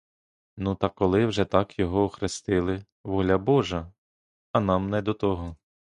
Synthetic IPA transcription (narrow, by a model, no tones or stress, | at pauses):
nut̪ɐkɔlˠɪwʒɛt̪ɑkjɔɦɔɔxɾɪst̪ɪlˠɪ | ʋɔlʲɐbɔʒɐ | ɐnɑmnɛd̪ɔt̪ɔɦɔ